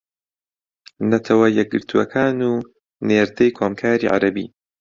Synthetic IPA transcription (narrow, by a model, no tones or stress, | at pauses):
nɐt̪ʰɐwɐjɛk̚ɡɨɾt̪ʰuɐ̰kʰaːnuː | neːɾd̪ɐjkʰoːmkʰaːɾḭːʕa̰ɾɐbḭː